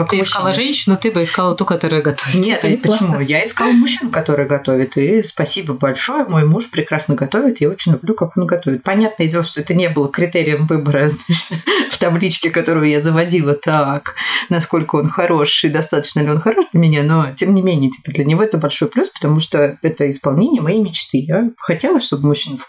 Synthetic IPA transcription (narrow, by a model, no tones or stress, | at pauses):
ak̪ɪskalˠaʐɛnʲɕːɪnʊt̪ɨbɨɪskalˠət̪ukɐt̪oɾʊjəɡɐt̪ovʲɪnʲet̪pət͡ɕɪmujaɪskalˠmʊɕːinʊkɐt̪o̞ɾɨjəɡɐt̪o̞vʲɪt̪ispɐsʲibəbɐlʲʂo̞jəmo̞jmuʂpɾʲɪkɾasnəɡɐt̪o̞vʲɪt̪jao̞t͡ɕɪnʲlʲʊblʲukako̞nɡɐt̪o̞vɪt̪̚pɐnʲat̪nəjdʲelˠəʂt̪oɛt̪ənʲebɨlˠəkɾʲɪt̪eɾʲɪjəmvɨbəɾəznaɪʂsʲəft̪ɐblʲit͡ɕkʲɪkɐt̪o̞ɾɨjʊjazəvɐdʲilˠət̪aknɐsko̞lʲkəo̞nxɐɾo̞ʂɪd̪ɐst̪at̪ə̥t͡ɕnəɪlʲɪo̞nxɐɾo̞ʂd̪lʲəmʲɪnʲano̞tʲemnʲɪmʲenʲɪjətʲi̥pəd̪lʲənʲɪvo̞ɛt̪əbɐlʲʂo̞jplʲuspə̥t̪ɐmuʂt̪oɛt̪əɪspɐlˠnʲenʲɪjəmɐjejmʲɪt͡ɕt̪ɨjaxɐtʲe̞lˠəsʲʂt̪o̞bɨmʊɕːinəf